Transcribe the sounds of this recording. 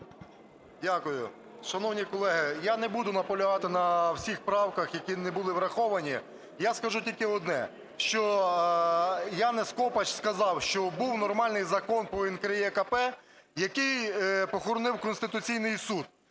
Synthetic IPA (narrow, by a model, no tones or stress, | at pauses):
dʲakʊjʊ̰ | ʃɐnɔwnʲikɔlˠɛɦɪjanɛbud̪ʊnɐpɔlʲʊɦɑt̪ɪnɐwsʲixpɾɑwkɐxjɐkʲinɛbʊlˠɪʋɾɐxɔʋɐnʲi | jaskɐʒutʲilʲkɪɔd̪nɛ̰ | ʃt͡ʃɔ | janɛskɔpɐt͡ʃskɐzɑwʃt͡ʃɔbuwnɔrmɑlʲnɪjzɐkɔnpɔinkɾɐjiɛkɐpɛ | jɐkɪjpɔxɔɾɔnɪwkɔnsʲt̪ɪt̪ʊt͡sʲijnɪjsud̪̚